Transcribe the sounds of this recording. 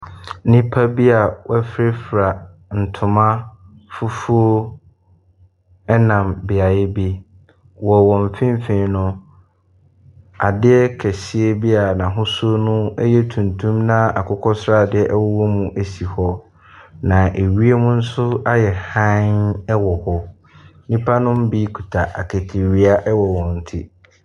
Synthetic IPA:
nĩ˦pʰa˦bi˦a˨wɛ˦fɾɪ˦fɾa˨n̩˨tʰʊ̃˨mã˦ | fu˦fu˦o˦ | ɛ˦nã˨mbɪ˨a˨jɪ˦bi˦ | wɔ˨wɔ̃˨m˨fɪ̃˦m˦fĩ˨nʊ̃˦ | a˨dɪ˦ɛ˦kʰɛ˨sɪ˦e˦bi˦a˨nã˨ɦʊ̃˦so˦nʊ̃˦ɛ˦jɛ˦tʰũ˨ntʰũ˦mnã˦a̰˨kʰʊ˦kʰɔ˦sɾa˦˨dɪ˦ɛ˦ʔɛ˦wɔ˦wɔ˦mũ˦ʔæ˨si˨hɔ˦ | nã˨ʔe˨ɥi˦e˦mũ˦n̩˦sʊ˦a˦jɛ˨hã˦nɛ˦wɔ˨hɔ˦ | nĩ˦pʰa˦nʊ̃˦m˦bi˦kʰu˨tʰa˨ʔa˨kʰɛ˨tʰi˨ɥi˨˦a˦ʔɛ˦wɔ˨wɔ̃˨n̩˨tʰɪ̰˦

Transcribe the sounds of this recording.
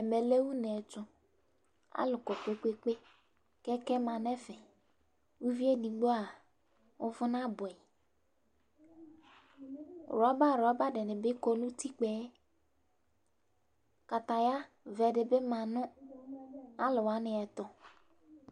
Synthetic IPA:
ɛ˨mɛ˨le˦wu˦nɛ˨t͡ʃʊ˦ | a̰˦lʊ˨kɔ˨k͡pe˦k͡pe˦k͡pe˦ | kɛ˦kɛ˦mã˨nɛ˦fɛ˨ | wu˦vi˦e˦di˨˦ɡ͡bo˦a˨ | ʊ˦vʊ˦na˦bʊ˨ɛ˨ | ɾɔ˦ba˦˨ɾɔ˦ba˦dɪ˨nɪ˨bɪ˦kɔ˦nʊ̃˦ti˦k͡pɛ˦ | ka˨t̪a˨ja˦ | vɛ˨dɪ˨bɪ˦mã˨nʊ̃˦ | a˦lɪ˨wa˨˦nɪ˨ɛ˨t̪ʊ˦

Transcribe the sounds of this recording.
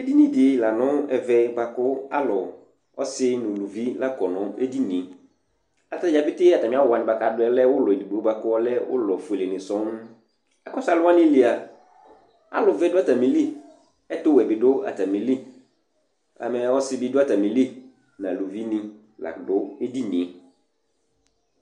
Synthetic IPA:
e˦di˦nĩ˨dɪ˨la˨nʊ̃˦ɛ˨vɛ˦ba˨kʊ˦a̰˦lɔ˨ | ɔ˦sɪ˦nʊ̃˨lu˨vi˦la˦kɔ˨nʊ̃˨˦ḛ˦di˦nĩ˨ | a˨ta˦˨ja˨fɪ˦tɪ˦a˨ta˨mɪ̃˨˦a˦ʊ˨a˨nɪ̃˨ba˨ka˨dʊ˦ɛ˦lɛ˦wʊ˦lɔ˨e˨di˨bo˦ba˨kʊ˦ɔ˦lɛ˦wʊ̰˦lɔ˨fu˨e˨le˨nɪ̃˨sɔ˦n˦ | a˨kɔ˦sa˨lʊ˦a˦nɪ̃˦li˨˦a˨ | a̰˦lʊ˨vɛ˦dʊ˦a˦ta˨mĩ˨li˦ | ɛ˦tʊ˦wɛ˨bɪ˨dʊ˦a̰˨ta˨mĩ˨li˦ | a̰˨mɛ˨ɔ˦sɪ˦bɪ˦dʊ˦a˦ta˨mĩ˨li˦ | nã˨lu˨vi˦nɪ̃˦ | la̰˨dʊ˦e˦di˦nĩ˨e˨

